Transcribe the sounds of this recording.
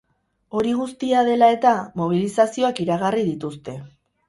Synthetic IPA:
o̞ɾiɣust̪iaðe̞lae̞t̪amo̞β̞ilisasio̞akiɾaɣariðit̪ust̪e̞

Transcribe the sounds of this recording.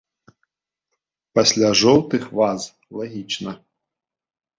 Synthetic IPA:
pɐsʲlʲaʐɔwt̪ɨxvaz | lˠaɣʲit͡ʂnɐ

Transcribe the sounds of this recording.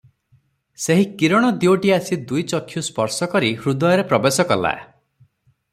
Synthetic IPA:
seɦikiɾɔɽ̃ɔd̪ioʈiasid̪ujt͡ʃɔkʰːjuspɔɾsɔkɔɾihɾud̪ɔjɔɾepɾɔbesɔkɔla̰e

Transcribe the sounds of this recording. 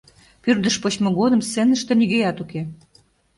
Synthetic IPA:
pyrd̪ə̆ʃpot͡ɕmoɣod̪ə̆msenəʃt̪ĕniɣejɑt̪uke

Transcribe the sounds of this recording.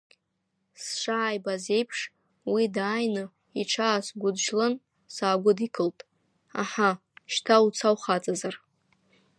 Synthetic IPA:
sʂaːjbaze̞jpʰʂ | widaːjnɨ | iʈ͡ʂʰaːsɡʷʊdʒlɨn | saːɡʷʊdikʰɨltʼ | a̰ħa | ʃtʰaut͡sʰawχat͡sʼazar

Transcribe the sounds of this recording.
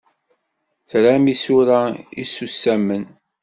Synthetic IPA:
θɾæmisuɾaḭsusːæmən

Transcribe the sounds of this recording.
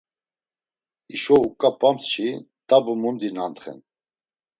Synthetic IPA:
iʃɔukʼapʰʼamsʃi | t̪ʼabumund̪inant̪χɛ̰n

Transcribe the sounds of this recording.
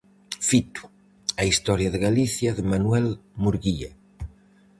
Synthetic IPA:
fit̪u̥ | aist̪ɔɾjɐðɪɣaliθjɐðɪmanuɛlmuɾɣia

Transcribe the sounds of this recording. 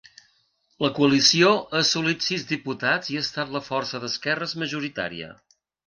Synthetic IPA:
ləkuəlisioʔəsulit̪sizðiput̪aziaːst̪at̪ləfɔrsəðəskɛrəzməʒuɾit̪a̰ɾḭə̰

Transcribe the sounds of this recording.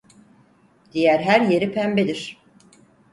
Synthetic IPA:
d̪̥ijæɾɦæɾje̞ɾipʰæmbed̪iɾ̥

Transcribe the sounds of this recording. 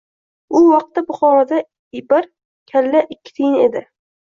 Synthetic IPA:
ʊwɑq̚t̪ːabʊχɒɾɒd̪a | bɪɾ | kʲʰalːaʔɪkʲːɪ̥t̪ʰejɪned̪ɪ

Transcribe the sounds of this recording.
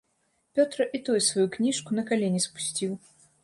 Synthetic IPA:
pʲɔt̪ɾɐʔit̪ujusvajuknʲiʂkunɐkalʲenʲɛspu̥sʲt͡sʲiw

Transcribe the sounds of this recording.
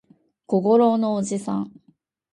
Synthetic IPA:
koɡoɾonoːʑisã̰ɴ

